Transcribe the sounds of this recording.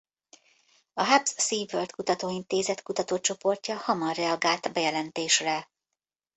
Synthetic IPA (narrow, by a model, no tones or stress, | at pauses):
ɒɦabssiːvːølt̪kut̪ɒt̪oːint̪eːzɛt̪kut̪ɒt̪oːt͡ʃo̞po̞rcɒhɒmɒrːɛɒɡaːlt̪bɛjɛlɛnt̪eːʃrɛ